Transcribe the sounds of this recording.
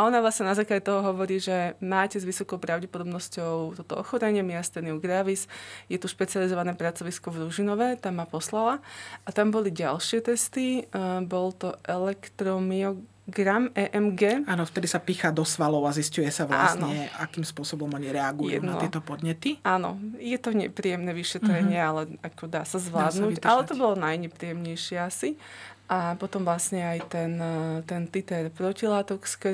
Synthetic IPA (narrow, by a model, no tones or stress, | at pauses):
ʔɔnavʋlasɲɛnazaːklaɟɛt̪ɔɦɔɦɔʋɔɾiːʒɛmaːcɛzʋisɔkɔʊpɾaʊɟɛpɔd̪ɔbnɔscɔʊt̪ɔt̪ɔɔxɔɾɛɲɪɛmiast̪ɛniɔɡɾaʋizjɛt̪uʃpɛt͡sializɔʋanɛːpɾat͡sɔʋiskɔvɾuʒinɔʋɛt̪aːmːapɔslalaat̪ambɔliɟa̰lʃɪɛt̪ɛst̪ibɔlt̪ɔʔɛlɛkt̪ɾɔmiɔ | ɡɾamɛʔɛmɡɛːaːnɔft̪ɛd̪isapiːxad̪ɔsʋalɔʊaziscujɛsaʋla̰asnnɲɔɛa̰kimspʊɔsɔbɔmɔɲiɾɛaɡujṵd̪na̰ɪɛɛt̪ɔpɔd̪ɲɛt̪iʔanɔ̰jɛt̪ɔɲɛ̰pɾiːjɛmnɛʋiʃɛt̪ɾɛɲɪɛalɛakɔd̪aːsazʋlaːd̪nucalɛt̪ɔbɔlɔnajɲɛpɾiːjɛmɲɛjʃɪɛasiʔapɔt̪ɔmʋlasɲɛajt̪ɛnt̪ɛnt̪it̪ɛɾpɾɔcilaːt̪ɔkskɛ